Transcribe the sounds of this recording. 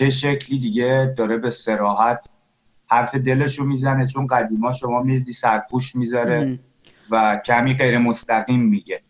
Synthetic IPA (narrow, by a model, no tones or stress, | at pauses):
t͡ʃeʃecʰliːd̪iɟed̪ɒːɾebe̞se̞ɾɒːɦæt̪ʰ | hæɾfe̞d̪e̞le̞ʃomiːzænet͡ʃʰo̞nɢæd̪iːmɒːʃo̞mɒːmiɾid̪iːsæɾ̚pʰuːʃmizɒɾe̞ | væcʰæmiːɢe̞jɾe̞mo̞st̪æɣiːmːiɟe